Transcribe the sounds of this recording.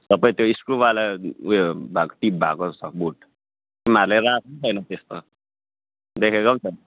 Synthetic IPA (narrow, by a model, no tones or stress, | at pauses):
t̪ʌpaĩt̪joiskrubalauebʱakoʈip̚bʱakot͡sʰʌbuʈ | imaɾlajrasʌnt͡sʰʌjnʌt̪est̪o | d̪ekʰekant͡sʰʌjnʌ